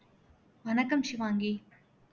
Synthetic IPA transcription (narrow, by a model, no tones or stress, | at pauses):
ʋɐnɐkːɐmʃiʋaːŋɡi